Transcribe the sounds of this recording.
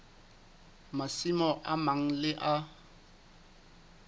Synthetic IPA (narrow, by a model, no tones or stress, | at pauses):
masimɔʔamaŋ̩lɪʔa